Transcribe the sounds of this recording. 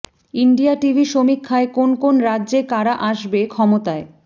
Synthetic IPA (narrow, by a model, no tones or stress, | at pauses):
iɳɖijaʈibʱiʃomikʰːaekonkonɾadːʑekaɾaʔaʃbekʰɔmot̪ae